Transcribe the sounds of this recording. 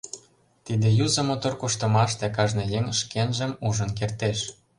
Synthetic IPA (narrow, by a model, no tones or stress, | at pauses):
t̪id̪ĕjuzə̆mot̪orkuʃt̪ə̆mɑʃt̪ĕkɑʒnĕjĕŋʃkenʒə̆muʒə̆nkert̪eʃ